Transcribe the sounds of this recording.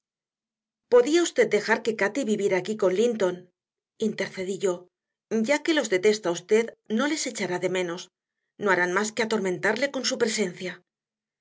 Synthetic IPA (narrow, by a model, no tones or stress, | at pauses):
po̞ðiaust̪e̞d̪̚d̪e̞xaɾke̞kat̪iβiβje̞ɾaːkiko̞nlint̪o̞n | int̪e̞ɾθe̞ðiʝo̞ | ɟ͡ʝake̞lo̞zðe̞t̪e̞st̪aust̪e̞ðno̞le̞se̞t͡ʃaɾaðe̞mẽ̞no̞s | no̞aɾanmaskeat̪o̞ɾmẽ̞nt̪aɾle̞ko̞nsupɾe̞se̞nθja